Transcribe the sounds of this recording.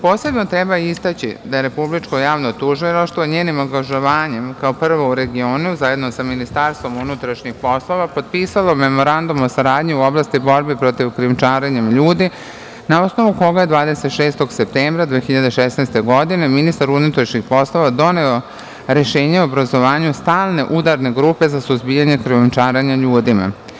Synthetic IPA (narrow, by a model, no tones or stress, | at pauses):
po̞ːse̞bno̞t̪ɾebaist̪at͡ɕḭd̪aje̞ɾe̞publit͡ʃkojaːʋnot̪uːʒʋeɾoʃt̪ʋoɲeːnimoŋɡaʒo̞ʋaːɲe̞mkaopr̩ʋo̞uɾe̞ɡio̞ːnuzaje̞d̪nosaminist̪aɾst̪ʋo̞munut̪ɾaʃɲixpo̞slˠo̞ʋapo̞d̪̚piːsalome̞mo̞ɾand̪umosaɾaːd̪ɲiuoblˠaːst̪ibo̞ɾbipɾo̞t̪iʋkɾiumt͡ʃaːɾeɲemʎuːd̪i | nao̞sno̞ʋuko̞ɡaje̞d̪ʋaːd̪e̞se̞t̪ʃeːst̪o̞ɡse̞p̚t̪eːmbɾad̪ʋeːxiʎad̪eʃesnajst̪eɡo̞d̪ine̞minist̪aɾunut̪ɾaʃɲixpo̞slo̞ʋad̪o̞neo̞ | ɾe̞ʃeːɲeuobɾazo̞ʋaːɲust̪aːlˠne̞ʔud̪aɾne̞ɡɾuːpe̞zasuzbijaɲe̞kɾiumt͡ʃaːɾaɲaʎuːd̪ima̰